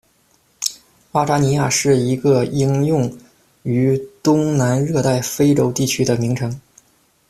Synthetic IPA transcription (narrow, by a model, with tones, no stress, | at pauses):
a˥ʈ͡ʂa˥ni˧˥ja˥˧ʂɻ̩˥˩i˧˥ɡə˧i˥ŋjʊ˥˩ŋ | y˧˥t̪ʊ˥ŋna˧˥nɻɤ˥˧t̪a˥˩ɪfe˥ɪʈ͡ʂo˥ʊt̪i˥˩t͡ɕʰy˥d̪ə˨mi˧˥ŋʈ͡ʂʰɤ˧˥ŋ